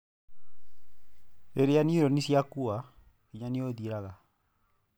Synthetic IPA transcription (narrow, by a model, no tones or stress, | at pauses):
eɾeaniɾonisjakua | iɲanioðiɾaɣa